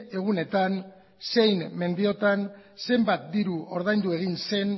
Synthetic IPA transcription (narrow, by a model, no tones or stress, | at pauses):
e̞ɣ̞une̞t̪an | se̞jnme̞nd̪io̞t̪an | se̞mbat̪̚d̪iɾuo̞ɾðajnd̪ue̞ɣinse̞n